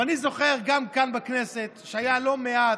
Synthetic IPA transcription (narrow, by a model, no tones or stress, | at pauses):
anizo̞χe̞ʁɡamkanbaknese̞t̪ʃeajalo̞mea